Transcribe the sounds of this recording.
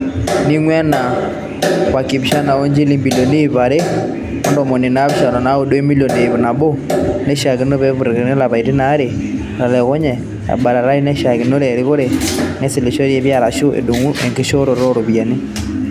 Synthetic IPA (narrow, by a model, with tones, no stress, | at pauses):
ni˦ŋwɛ˦na˨ | wa˨ki˨bʃa˦na˨o˦ɲd͡ʒi˦li˦mbi˨lo˨ne˦i˨βa˨ɾe˦ | mɔ˦ndɔ˨mɔ˨nɪ˨na˦bʃa˨ɾɔ˨na˦o˦do˦e˦mi˦lo˨ne˨i˨βna˨bo˦nɛ˦ʃa˨ɣɪ˨˦no˦βe˦βu˨ɾe˨ɣe˨ne˦la˨βa˨i˨te˦na˦ɾe˨ | ɾa˨lɛ˨ɣɔ˦ɲɛ˨ | a̰˨ba˨ɾa˨ɾa˦i˦nɛ˦ʃa˨ɣɪ˨no˦ɾɛ˨ɾɪ˦ɣo˦ɾe˨nɛ˦sɪ˨le˨ʃo˦ɾe˨˦βja˦˨ɾa˨ʃʊ˦ḛ˨du˨ŋu˦ʔe˨ŋke˦ʃo˦ɾo˨ɾo˦ɾo˨βja˨ni˦